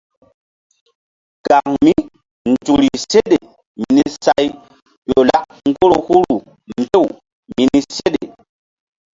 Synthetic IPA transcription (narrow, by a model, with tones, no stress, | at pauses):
ka˨ŋmi˦ | n̩˨tu˨ɾi˨se˦ɗe˨ | mi˨ni˦sa˦j | jo˨la˦ʔ | ŋ˦ɡo˦ɾo˨hu˦ɾu˨ | mbe˦˨w | mi˨ni˦se˦ɗḛ˨